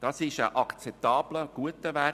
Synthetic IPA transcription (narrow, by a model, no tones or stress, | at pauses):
d̥ɑsɪʃə̰ʔɑkt͡sɛp̚t̪ɑːb̥ləɡ̥uətːəʋæ